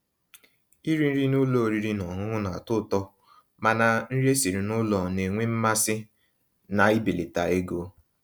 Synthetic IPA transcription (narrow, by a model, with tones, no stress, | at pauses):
i˦ɾi˦n̩˦ɾi˦nʊ˦lo˨ɾi˦ɾi˦nɔ˨ɦʊ˦ɦʊ˦na˨tʊ˦˨tɔ˦ | ma˨na˨n̩˦ɾe˦si˨ɾi˨nʊ˦lɔ˨ne˨ŋʷe˦m̩˦ma˦sɪ˦ | na˨i˦be˨le˨ta˨e˦ɡo˦